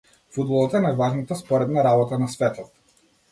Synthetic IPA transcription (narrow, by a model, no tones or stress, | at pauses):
fud̪bɔlˠɔt̪aɛnajvaʒnat̪aspɔɾɛd̪naɾabɔt̪anasvɛt̪ɔt̪